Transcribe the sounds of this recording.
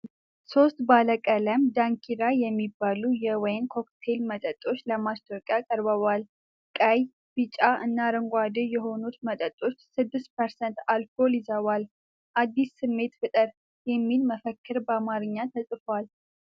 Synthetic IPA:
so̞st̪baləkʼələmd̪aŋkʰiɾajɛmːibːalujɛwɔjnkʰo̞kt̪ʰe̞lmət̪ʼət̪ʼo̞t͡ʃːləmast̪ʰʼoɾkʼjakʼəɾbəβal | kʼəj | bɨt͡ʃʼaʔɨnːaɾɨŋɡʷad̪ɨjɛɦo̞nut̪mət̪ʼət̪ʼo̞t͡ʃːsɨd̪ːɨst̪̚pʰəɾsɛnt̪alfo̞lizəβal | ʔad̪ːisːɨmːe̞t̪fɨt̪ʼɨɾ | jɛmːilməfəkːɨɾbəamaɾɨɲːat̪ʰəsʼfwal

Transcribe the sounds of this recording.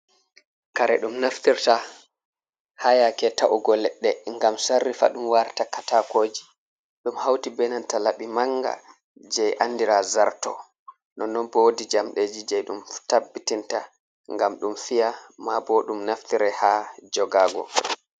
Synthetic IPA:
kaɾɛ̰ɗumnaftiɾta | hajakɛtaʔuɡɔlɛɗːɛŋɡamsarːifa̰ɗumwaɾtakatakoːd͡ʒi | ɗumhawtibɛnantalaɓimaŋɡa̰ | d͡ʒɛjʔanːdiɾazaɾtɔ̰ | nɔnːɔnbɔwdid͡ʒamɗed͡ʒid͡ʒɛjɗumtabːitinta | ŋɡamɗumfijamabɔɗumnaftiɾɛhad͡ʒɔɡaːɡɔ̰

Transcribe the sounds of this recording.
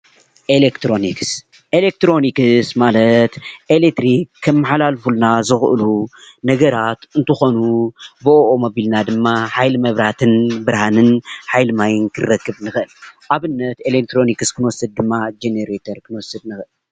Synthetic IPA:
ʔelekt̪ʰɾo̞niks | ʔelek̚t̪ɾo̞nikɨsmalɐt̪ʔelet̪ɾikʰːɐmːaħalalfulnazɨxʔɨ̰lunɐɡɐɾat̪ɨnt̪ʰɨxo̞nubɨoʔomobilnad̪ɨmːaħajlɨmɐβɾat̪ʰɨnbɨɾhanɨnħajlɨmajɨnkʰɨɾɐkːɨβnɨxɨʔɨlʔaβɨnːɐt̪elek̚t̪ɾo̞nikɨskʰɨnwɔsɐd̪̚d̪ɨmːad͡ʒeneɾet̪ʰɐɾkʰɨnwɔsɨd̪nɨxɨʔɨl

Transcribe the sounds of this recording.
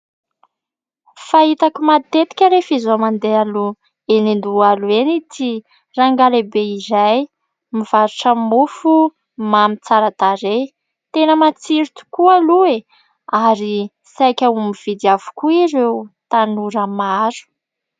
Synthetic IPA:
fait̪akumat̪et̪i̥kʲəɾefizomand̪ealu | enind̪ualuenit̪ʰi | raŋɡalebeizaj | miv̥aɾuʈ͡ʂəmufu | mamit͡saɾat̪aɾe | t̪enəmat͡siɾit̪u̥kualue | aɾi | sajkʲaumiv̥id̪iavu̥kuiɾeut̪anuɾəmaɾu̥

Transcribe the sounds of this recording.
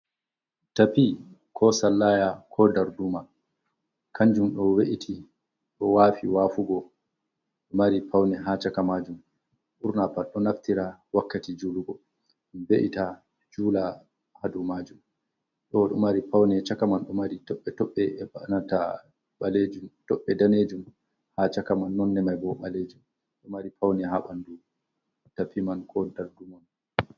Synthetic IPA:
tapi | kʰɔsalːaːjakʰɔdaɾduma | kʰaɲd͡ʒumɗɔweʔitʰi | ɗɔwaːfiwafuɡɔ | ɗɔmaɾipʰawnɛɦat͡ʃakamad͡ʒum | ɗuɾnapaɗɔnaftiɾawakːatid͡ʒuluɡɔ | mbeʔita | d͡ʒuːla | hadumad͡ʒum | ɗɔɗɔmaɾipawnɛt͡ʃakamanɗɔmaɾitɔɓːɛtɔɓːɛnata | ɓaled͡ʒumtɔɓːɛdaned͡ʒum | hat͡ʃakamanːɔnːɛmajbɔɓaled͡ʒum | ɗɔmaɾipʰawnɛɦaɓandu | tapimankʰɔdaɾdumɔn

